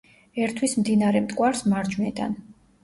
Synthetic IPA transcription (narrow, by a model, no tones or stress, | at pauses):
ɛɾt̪ʰwismd̪inaɾɛmt̪ʼkʼwaɾsmaɾd͡ʒwnɛd̪a̰n